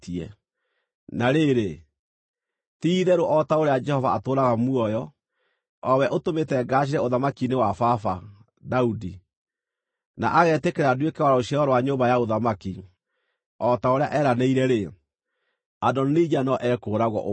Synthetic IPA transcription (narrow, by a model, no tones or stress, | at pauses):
tiɛ̰ | naɾeɾe | tiːðɛɾoʔɔtaoɾead͡ʒɛhɔvaːtoːɾaɣamuɔjɔ | ɔwɛʔotometɛɡaːɕ̬iɾɛoðamakinewafafa | daudi | na̰ʔaɣɛtekeɾadwekɛwaɾɔoɕiaɣɔɾwaɲoːmbajaoðamaki | ɔtaoɾeaʔɛːɾaneiɾɛɾe | adɔnid͡ʒanɔʔɛkoːɾaɣɔ̰ʔo